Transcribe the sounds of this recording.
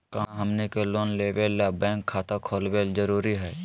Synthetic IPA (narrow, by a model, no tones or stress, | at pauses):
kãɦɐmnekeloːnleːʋelːabɛ̃ːŋkʰːaːt̪akʰoːlʋeːld͡ʒəɾuːɾiɦɛː